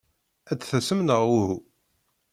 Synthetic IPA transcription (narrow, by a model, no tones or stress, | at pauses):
æt͡sːθæsəmnəʁuhu